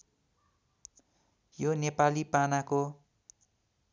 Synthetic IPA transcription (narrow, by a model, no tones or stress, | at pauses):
jonepalipanako